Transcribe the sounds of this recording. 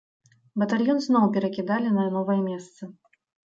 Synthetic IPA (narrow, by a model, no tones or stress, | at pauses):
bɐt̪alʲjɔnznɔwpʲɛɾɐkʲid̪alʲinɐnɔvɐjɐmʲɛst̪sɨ